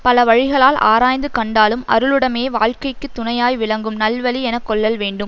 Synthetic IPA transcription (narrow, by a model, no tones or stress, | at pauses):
pɐlɐʋɐɻɪɣɐɭaːlʔa̰ːɾaːjnd̪ɯkɐɳɖaːlɯmɐ̰ɾɯɭɯɽɐmeːʋaːɻkɐɪkːɯt̪ːʊnɐjaːjʋɪɭɐŋɡɯmnɐlʋɐliɛnɐkːɔɭːɐlʋeːɳɖɯm